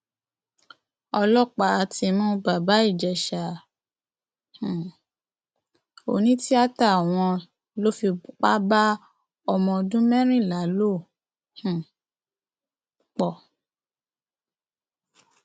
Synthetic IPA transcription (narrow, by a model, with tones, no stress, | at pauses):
ɔ˧lɔ˦˨k͡pa˨˦a˧ti˧mɔ̃˦ba˨ba˨˦i˦˨d͡ʒɛ˨ʃa˨ | h | o̰˨nĩ˨˦ti˦a˦ta˦˨w̃ɔ̃˧ | lo˦fi˧k͡pa˦ba˦ | ɔ˧mɔ̃˧dũ˦mɛ̃˦ɾ̃ĩ˦˨la˨˦lo˦˨ | hũ˨ | k͡pɔ˨